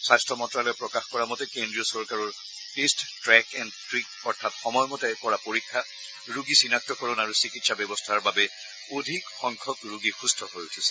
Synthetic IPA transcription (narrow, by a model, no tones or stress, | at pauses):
sajstʰɔmɔntɹalɔjɔpɹɔkaxkɔɹamɔtɛkendɹiɔsɔɹkaɹɔɹ | testtɹɛkɛndtɹik | ɔɹtʰatxɔmɔjɔmɔtɛkɔɹapoɹikʰːa | ɹuɡisinak̚tɔkɔɹɔnaɹusikitsabɛbɔstʰaɹbabɛ | odʱikxɔŋkʰɔkɹuɡixustʰɔɦojutʰisɛ̥